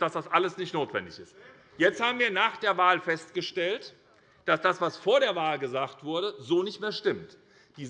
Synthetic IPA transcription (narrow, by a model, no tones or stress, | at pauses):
d̥asd̥asʔaləsnɪçtnoːtv̥ɛ̰ndɪçɪst | jɛt͡sthaːbm̩viːɐnaːχd̥eːɐvaːlfɛstɡ̥əʃtɛlt | d̥asd̥asv̥asfoːɐɾeːɐvaːlɡəzaːktv̥ʊɐɾəzoːnɪçtmeːɐʃtɪmt | d̥iː